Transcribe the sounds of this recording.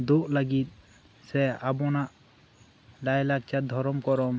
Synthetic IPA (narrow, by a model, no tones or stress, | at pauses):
d̪oʔlaɡit̪̚ˀ | sɛabɔnaʔ | lajlak̚t͡ʃad̪ʱɔɾɔmkɔɾɔm